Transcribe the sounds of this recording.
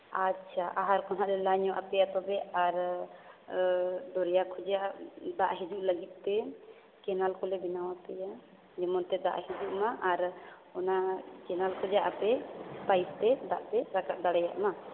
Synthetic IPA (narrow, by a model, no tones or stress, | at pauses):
atːʃʰaʔaɦaɾkɔnɦaʔɾɛlaɲɔʔa̰pɛjat̪ɔbɛaɾ | d̪ɔɾɛjakʰɔd͡ʒaʔd̪aʔɦɛd͡ʒuʔləɡit̪̚ˀt̪ɛ | kɛnalkɔlɛbinawapɛja | d͡ʒɛmɔnt̪ɛd̪a̰ʔhid͡ʒuʔmaʔaɾ | ɔnakɛnalkʰɔd͡ʒaʔapɛpajst̪ɛd̪aʔpɛɾakat̪̚d̪aɽajaʔma